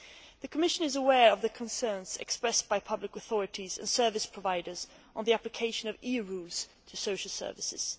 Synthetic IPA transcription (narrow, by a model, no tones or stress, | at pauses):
ðɨkʰəmɪʃɨ̃nɨzəwɛɹʌvðɨkʰə̃nsɜ̃˞nz̥ɨ̰kspɹɛsb̥aɪpʰʌblɨkəθɔɹɨɾizɨ̰̃nsɜ˞vɨspʰɹ̥əvaɪɾə˞z | n̩ðiæplɨkʰeɪʃɨ̃nʌviɹulˠz̥tʰɨsoʊʃl̩ˠsɜ̰˞vɨsɪ̰z̥